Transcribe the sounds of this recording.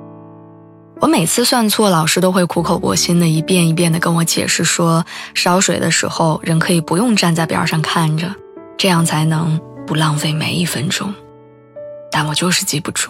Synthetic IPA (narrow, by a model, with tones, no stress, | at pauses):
wɔ˧˥me˨˩ɪt͡sʰɹ̩˥˧swa˥˧nt͡sʰwɔ˥˩lɑ˨˩ʊʂɻ̩˥t̪o˥ʊxwe˥˩ɪkʰu˧˥kʰo˨˩ʊpwɔ̰˧˥ɕi˥nd̪ə˨i˧˥pjɛ˥˩ni˧˥p̬jɛ˥˩nd̪ə˩kə˥nwɔ˧˥t͡ɕjɛ̰˨˩ʂɻ̩˥˩ʂwɔ˥ʂɑ˧˥ʊʂwe˨˩ɪd̪ə̰˦ʂɻ̩̰˧˥xo˧ʊɻə˧˥nkʰɤ˧˥i˨˩pu˧˥jʊ˥˧ŋʈ͡ʂa˥˧nt͡sa˥˩ɪpjɑ̰˨˩ʂɑ˥˧ŋkʰa˥˩nʈ͡ʂə˩ | ʈ͡ʂɤ˥˧jɑ˥˩ŋt͡sʰa˧˥ɪnɤ˧˥ŋpu˧˥lɑ˥˧ŋfe˥˩ɪmḛ˧˥ɪi˥˩fə˥nʈ͡ʂʊ̰˥ŋ | t̪a˥˩nwɔ˨˩t͡ɕjo˥˧ʊʂɻ̩˥˩t͡ɕi˧˥pu˧˩ʈ͡ʂʰu̥˥